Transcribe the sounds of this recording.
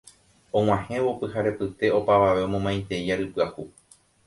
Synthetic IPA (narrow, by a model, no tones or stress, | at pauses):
õ̞ŋ̃ãhẽ̞ʋopɨhaɾe̞pɨt̪e̞o̞paʋaʋe̞õ̞mõmãj̃nt̪e̞aɾɨpɨahu